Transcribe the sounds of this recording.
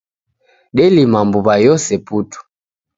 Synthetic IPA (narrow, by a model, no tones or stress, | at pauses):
ɗɛlimambuβajɔsɛputu̥